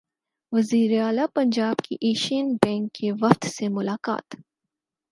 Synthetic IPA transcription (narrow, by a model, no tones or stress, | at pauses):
ʋɐziːɾeaːlapɐ̃ɲd͡ʒaːbkʰḭʔeːʃinbɛ̃ːŋkːeʋɐqt̪semʊlaːka̰ːt̪